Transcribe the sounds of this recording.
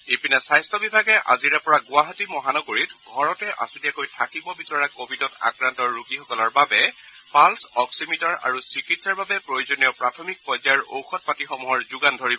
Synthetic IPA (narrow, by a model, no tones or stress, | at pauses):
epinasajstʰɔbibʱaɡɛʔa̰ziɹɛpɔɹaɡʊaɦatimɔɦanɔɡoɹitɡʱɔɹɔtɛʔa̰sudijakojtʰakibɔbisɔɹakobʱidɔta̰kɹantɔɹːuɡixɔkɔlɔɹbabɛ | palsɔksimitɔɹa̰ɹusɹikitsaɹbabɛpɹojozonijɔpɹatʰɔmik̚pɔzaɹo̰wxɔt̚patixɔmuɦɔɹzuɡandʱoɹibɔ